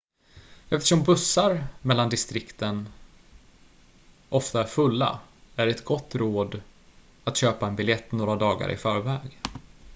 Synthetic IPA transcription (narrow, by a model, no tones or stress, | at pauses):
ɛft̪ə̥ʂɔmbɵsːaɾmɛlːand̪ɪst̪ɾɪkt̪ən | ʔɔft̪aæɾfɵlːa̰æɖɛɛt̪ɡɔt̪ːɾoːd̪ | at̪ɕøːpaɛnbɪljɛt̪ːnoːɾad̪ɑːɡa̰ɾʔɪ̰fœːɾvɛːɡ